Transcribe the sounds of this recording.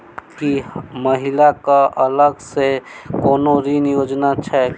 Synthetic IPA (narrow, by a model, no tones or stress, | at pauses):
kiməɦɪlakaʔələɡsekoːnoɾinjoːd͡ʒnat͡ʃʰɛ